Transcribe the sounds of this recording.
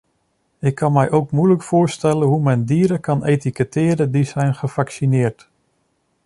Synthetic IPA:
ɪkʰːɑnmɛjʔowkmujləkfʊːɹstɛlənɦumɛndiːɾəkɑnetikətʰɪːɾədizɛjnχəfaksinɪːrt

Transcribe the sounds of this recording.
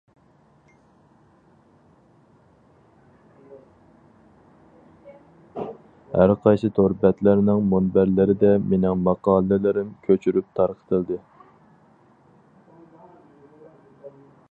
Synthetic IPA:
hæɾqʰɑjsɨt̪ʰoɾbɛt̪læɾnɪŋmunbæɾlɪɾɪd̪ɛmenɪŋmɑqɑːlˠɨlɪɾɪmkʲʰøt͡ʃʰyɾyp̚t̪ʰɑɾqʰə̥t̪ʰəlˠd̪ɨ

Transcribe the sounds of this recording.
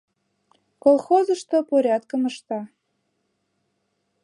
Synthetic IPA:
kolˠxozəʃt̪opoɾʲɑt̪̚kəməʃt̪ɑ

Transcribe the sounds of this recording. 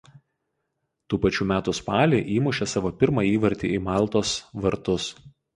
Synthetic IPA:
t̪uːpɐt͡ʃʲuːmʲæːt̪ʊspɑːlʲiːʔiːmʊʃʲɛsɑːʋoːpʲɪɾmɑiːʋɐɾʲt̪ʲḭimɑˑlˠt̪oːsʋɐɾt̪ʊs

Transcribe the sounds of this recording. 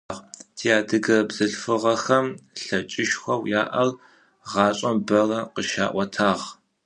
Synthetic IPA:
ʁtʰiaːdɨɡɐbz̥ɨɬfɨʁɐxɐmɬɐt͡ʃʼɪʃxʷɐwjaːʔɐl | ʁɑːɕʼɐmbɐrɐqəʃa̰ːʔʷɐtʰaːʁ

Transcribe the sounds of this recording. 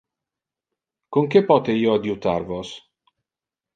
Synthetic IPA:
koŋk̟epɔt̪eiːoad̪jut̪a̰rvos

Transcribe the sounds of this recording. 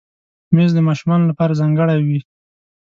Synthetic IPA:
mezd̪əmɑʃumɑnolapɑɾazɑŋɡəɽajwi

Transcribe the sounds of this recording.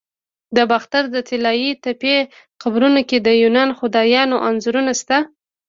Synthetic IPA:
d̪əbaxt̪aɾd̪ət̪ɪlɑjit̪ape | xabɾunoked̪əjunɑnxʊd̪ɑjɑnoʔanzuɾunast̪a

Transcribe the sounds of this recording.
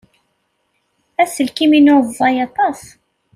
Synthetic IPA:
æsəlkiminʊvˤːɑjɑt̪ˤɑs

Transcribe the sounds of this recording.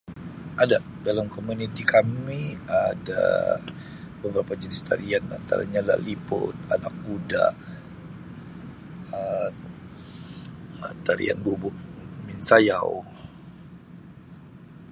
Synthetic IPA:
ʔadaʔdalamkomunit̪ikʰamiada̰ | bəbəɾapad͡ʒənɪst̪a̰ɾiana̰nt̪a̰ɾa̰ɲala̰ʔlipʊ̰t̪anak̚ɡuda̰ʔ | ə | t̪aɾḭa̰nbubʊʔmɪnsajaw

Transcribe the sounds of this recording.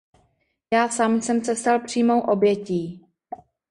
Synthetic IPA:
jaːsaːmsɛmt͡sɛst̪alpr̝̥iːmo̞wʔo̞bjɛciː

